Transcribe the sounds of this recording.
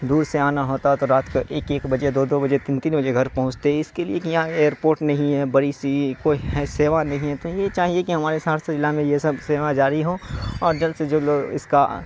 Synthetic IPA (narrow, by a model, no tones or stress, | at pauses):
d̪uːɾseaːnaɦoːt̪aɦɛt̪oɾaːt̪koʔeːkeːkbɐd͡ʒed̪oːd̪oːbɐd͡ʒet̪iːnt̪iːnbɐd͡ʒeɡʱɐɾpɐɦʊ̃t͡ʃt̪eɦɛɪskeliekijɦãeːəɾpoːɾʈnɐɦĩɦɛːbɐɽisikoːiɦɛseːʋanɐɦĩɦɛt̪ojet͡ʃaːɦiekiɦɐmaːɾesaːɾsɐd͡ʒɪlamẽjesɐbseːʋad͡ʒaːɾiɦõːɔːɾd͡ʒɐlsed͡ʒoːloːɡɪ̰ska